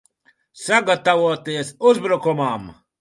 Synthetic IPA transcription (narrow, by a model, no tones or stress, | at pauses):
saɡat̪aʋuɔt̪iesuzbɾukumaːm